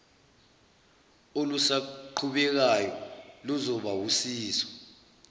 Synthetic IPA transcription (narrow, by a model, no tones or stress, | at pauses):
olusaǃʰuɓɛk̬ajɔluzɔɓawusiːswḁ